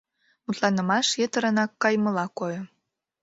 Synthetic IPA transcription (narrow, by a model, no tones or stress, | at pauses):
mut̪lɑnə̆mɑʃjet̪əɾənɑkːɑjmə̆lɑkojo